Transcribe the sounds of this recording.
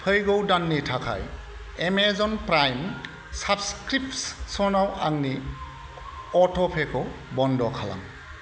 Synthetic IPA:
pʰɯjɡowdanːitʰakʰa̰j | emezɔnpɾajm | sabskɾip̚tssɔnawaŋni | ɔtʰɔpʰekʰɔ | bɔndɔkʰala̰ŋ

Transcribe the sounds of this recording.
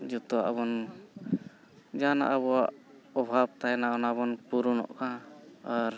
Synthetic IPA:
d͡ʒut̪ɔaʔaβɔn | d͡ʒana̰ʔaβɔwaʔ | ɔbʱab̚t̪ajɛnaɡɔnabɔnpuɾunɔ̰ʔkãaɾ

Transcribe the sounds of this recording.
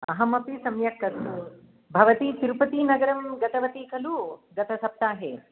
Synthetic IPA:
ɐ̰ɦɐmɐpisɐmjɐkːɐsu | bʱɐʋɐt̪it̪iɾupɐt̪inɐɡɐɾɐmɡɐt̪ɐʋɐt̪ikʰɐluɡɐt̪ʰɐsɐp̚t̪aːɦeː

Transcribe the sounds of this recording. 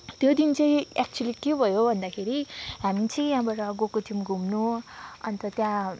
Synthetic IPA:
t̪jod̪int͡sʌĩak̚t͡suʌlikebʱʌjobʱʌnd̪akʰeɾiɦamit͡sʰʌjãbʌɾʌɡokot̪ʰimɡʱumnuʌ̰nt̪ʌt̪jã

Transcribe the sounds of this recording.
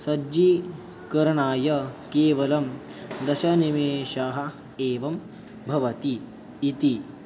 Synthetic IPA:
sɐd͡ʒi | kɐɾɐɳaːjɐkeːʋɐlɐm | d̪ɐʃɐnimeːʃaːɦɐ | eːʋɐm | bʱɐʋɐt̪iː | t̪i

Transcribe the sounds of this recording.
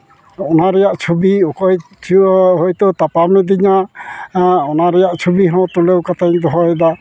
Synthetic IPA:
ɔnaɾɛjaʔt͡ʃʰubiɔkɔj | ɦojt̪ɔt̪apamnɛd̪iɲa | ɔnaɾɛjaʔt͡ʃʰubiɦɔ̃t̪ulewkat̪ʰajŋd̪ɔɦɔjɛd̪a

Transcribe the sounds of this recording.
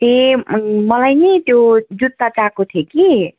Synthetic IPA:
t̪ẽ | mʌlajnet̪jod͡zut̪ːat͡sakot̪ʰjeki

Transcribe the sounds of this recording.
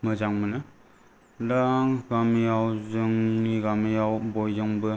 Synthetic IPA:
mɯzaŋmɯnɯ | laŋɡamijawzɯŋniɡamijawbojzɯŋbɯ

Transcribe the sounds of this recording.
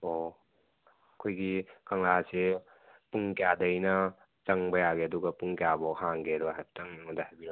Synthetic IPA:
o | ɐkʰojɡikɐŋlase | puŋkjadɐjnɐ | t͡ʃɐŋbɐjaɡeɐduɡɐpuŋkejabɔhʰaŋɡedɔɦaptaŋnŋɔdahajbi

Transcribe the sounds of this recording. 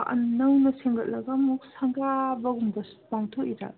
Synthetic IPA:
ɐ̰nnːɐwnɐseŋɡɐt̚lɐɡɐmuk̚saŋɡabɐɡumbɐ | baŋtʰokiɾa̰

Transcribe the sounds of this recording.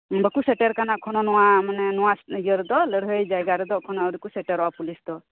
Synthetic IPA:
bəkusɛʈeɾkanakʰɔnɔnɔwamanɛnɔwajəɾɛd̪ɔləɽɦəjd͡ʒajɡaɾɛd̪ɔkʰɔnɔəɾikusɛʈɛɾɔwapulisd̪ɔ

